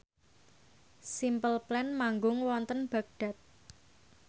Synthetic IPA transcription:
simpəlplɛnmaŋɡʊŋwɔnt̪ənb̥ä̤ɡ̚ɖ̥a̤t̪̚

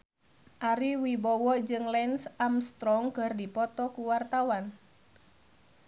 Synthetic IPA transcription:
ʔaɾiwibɔwɔd͡ʒɨŋlɛnsʔamst̪ɾɔŋkɨrdipɔt̪ɔkuwart̪awan

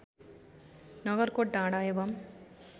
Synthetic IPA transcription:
nɐɣɐɾkoʈnaːɽaːjɐʋɐm

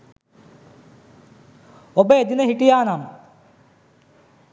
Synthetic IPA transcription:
obɐed̪inɐɦiʈːijaːnaːm

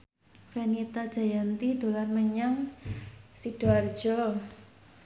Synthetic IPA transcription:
fenit̪ad̥ʒ̥a̤jant̪id̪̥o̤larməɲaŋ | sid̥oard̥d͡ʒ̥ɔ

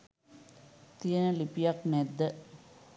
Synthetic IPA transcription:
t̪ijənəlipijaknɛd̪ːə

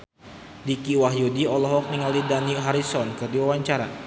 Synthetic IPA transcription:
dikiwaɦjudiɔlɔɦɔk̚niŋalidaniɦaɾisɔnkɨrdiwawaɲt͡ʃaɾa

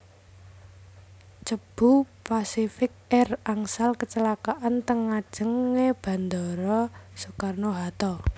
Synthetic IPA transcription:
t͡ʃəb̥ṳpasifɪk̚ɛraŋsalkət͡ʃəlakaʔant̪əŋad̥ʒ̥ə̤ŋːeb̥ä̤nd̪ɔɾɔsokarnoɦat̪ɔ

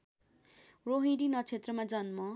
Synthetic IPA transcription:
roɦĩɖinʌt͡sʰet̪rʌmad͡zʌnmʌ

